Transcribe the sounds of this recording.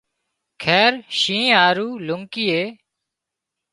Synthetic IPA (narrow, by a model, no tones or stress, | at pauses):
kʰɛːɾʃĩːaːɾuːlʊŋkiːeː